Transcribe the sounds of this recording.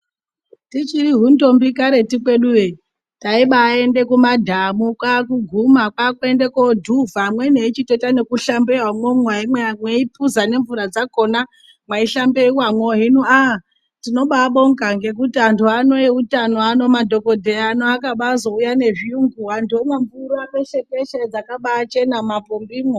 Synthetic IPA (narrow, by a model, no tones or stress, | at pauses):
tit͡ʃiɾiɦundo̞mbikaɾe̞tikwe̞ɗuʋe | taiɓaːe̞nde̞kumadʱamukwak̬uɡʱumakwakendekodʱuvamwe̞neit͡ʃitotanekuɬambewamwomwaimwemweipuzane̞ɱvuɾad͡zako̞na | mwaiɬambe̞iwamwoɦinua | tino̞ɓaɓo̞ŋkaŋɡe̞kutiantʰuano̞iutanoano̞madʱo̞kodʱeanoakaɓazo̞ujane̞ʐiuŋɡuɦandomaɱvuɾameʃekeʃad͡zakaɓaːt͡ʃe̞namapombiːmwo